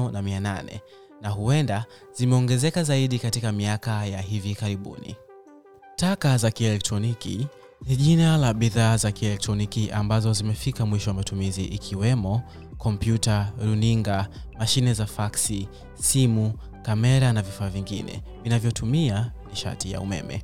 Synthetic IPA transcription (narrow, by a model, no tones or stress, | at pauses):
namiananɛ̰ | naɦuɛnda | z̥imɛɔŋɡɛzɛkazaiɗikatikamiakajaɦivikaɾiɓṵnḭ | takazakiɛlɛk̚tɾɔnikḭ | niʄinalaɓiðaːzakiɛlɛk̚tɾɔnikiʔambazɔzimɛfikamwiʃɔwamatumiziʔikʰiwɛmɔ | kɔmpjutaɾuniŋɡamaʃinɛzafaksi | simu | kamɛɾanavifaːviŋɡḭnɛ̰vinavjɔtumianiʃa̰tija̰ṵmɛ̰mɛ̰